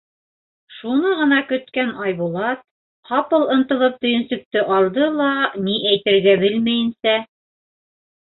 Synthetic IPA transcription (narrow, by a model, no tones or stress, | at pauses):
ʃunɤʁɤ̆nɑkɵ̆t̪kænɑjbulˠɑt̪̚ | hɑpɤlˠɤ̆nt̪ɤ̆lˠɤp̚t̪ɵ̆jɵ̆nsɵ̆k̚t̪ɘʔɑlˠd̪ɤlˠɑniʔæjt̪ɘ̆ɾɡæbɘlmæjɘ̆nsæ